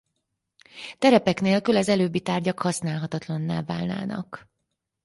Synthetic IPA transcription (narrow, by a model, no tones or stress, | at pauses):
t̪ɛɾɛpɛkneːlkylɒzɛløːbːit̪aːrɟɒkhɒsnaːlɦɒt̪ɒt̪lɒnːaːva̰ːlna̰ːnɒ̰k